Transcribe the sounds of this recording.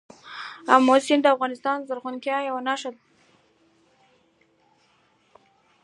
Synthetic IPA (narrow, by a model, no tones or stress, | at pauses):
amːosɪnd̪əafɣɑnɪst̪ɑnzaɾɣunkjɑjawanaʂad̪̚